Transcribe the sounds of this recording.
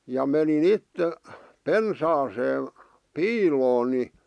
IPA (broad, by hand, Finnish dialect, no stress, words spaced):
jɑ menin itːe pensɑːseː piːloːn ni